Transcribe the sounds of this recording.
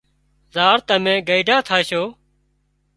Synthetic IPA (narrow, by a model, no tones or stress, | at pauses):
zaːɾt̪əmẽːɡəiɖʱaːt̪ʰaːʃoː